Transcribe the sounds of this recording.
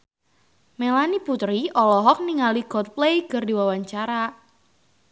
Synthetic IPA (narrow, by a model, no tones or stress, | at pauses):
melaniput̪ɾiʔɔlɔɦɔk̚niŋaliɡɔt̪̚plejkərdiwawaɲt͡ʃaɾa